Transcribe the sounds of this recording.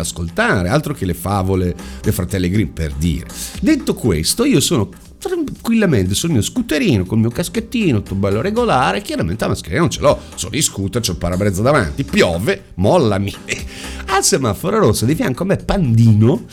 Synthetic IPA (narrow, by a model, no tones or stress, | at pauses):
askolt̪aːɾealt̪ɾok̟elefaːvoled̪efɾat̪ɛlːeɡɾimpḛrd̪ḭːɾḛd̪et̪ːokwḛst̪oiːosoːno | t̪ɾaŋkwilːament̪esulmiːoskut̪ːeɾiːnokolmiːokasket̪ːiːnot̪ːobɛlːoɾeɡolaːɾekjaɾamḛnt̪eamaskeɾinanõnt͡ʃḛlɔ | so̰niskut̪at͡ʃɛpaɾabɾɛd̪zːad̪ava̰nt̪ipjɔːve | mɔlːami | alsemafːoɾaɾosːad̪ifjaŋkoamːepːand̪iːno